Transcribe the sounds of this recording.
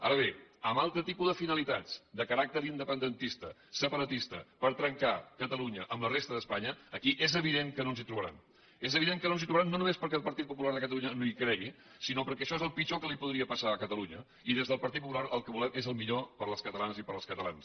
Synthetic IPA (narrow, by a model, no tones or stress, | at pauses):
a̰ɾəβ̞eəmalˠt̪ɾət̪ipuðəfinəlit̪ad͡zd̪əkəɾak̚t̪əɾind̪əpənd̪ənt̪ist̪əsəpəɾət̪ist̪ə̰pəɾt̪ɾəŋkakət̪əluɲəʔəmlərest̪əðəspaɲəːkiʔezəβ̞iðeŋkənonzit̪ɾuβəɾa̰m | ezəβiðeŋkənonzit̪ɾuβəɾanːonumespəɾkɛəlˠpəɾt̪it̪̚pup̬ulaɾðəkət̪əluɲənoikɾɛɣi | sinopəɾkɛʃɔezəlˠpit͡ʃokəlipuðɾiəpəsaəkət̪əluɲə | iðezðəlˠpəɾt̪it̪pup̬ulaɾəlˠkəβulɛmezəlˠmiʎopəɾləskət̪əlanzipəɾəlˠskət̪əla̰ns